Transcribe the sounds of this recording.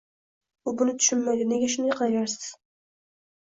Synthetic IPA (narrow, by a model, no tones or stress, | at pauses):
ʊbʊnɪt̪ʰʊ̥ʃʊnmajd̪ɪneɡʲaʃ̬ʊnd̪ajqʰɑlˠajaɾsɪ̥z̥